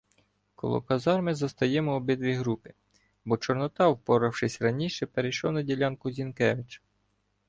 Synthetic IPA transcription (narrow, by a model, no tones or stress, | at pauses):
kɔ̰lˠɔ̰kɐzɑrmɪzɐst̪ɐjɛmɔːbɪd̪ʋʲijɦɾupɪ̥ | bɔt͡ʃɔɾnɔt̪ɑwpɔɾɐwʃɪsʲɾɐnʲiʃɛpeɾejʃɔwnɐdʲilʲɑnkʊzʲinkɛʋɪt͡ʃ